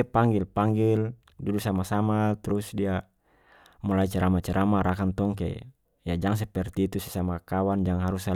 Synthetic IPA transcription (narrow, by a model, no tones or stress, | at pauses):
ɛpaŋɡilpaŋɡil | dudusamasamat̪ɾusdia | mɔlait͡ʃɛɾʔamat͡ʃɛɾʔamaɾakant̪ɔŋkɛ̰ | jad͡ʒaŋs̬ɛpɛrt̪it̪usɛsamakawand͡ʒaŋɦaɾusa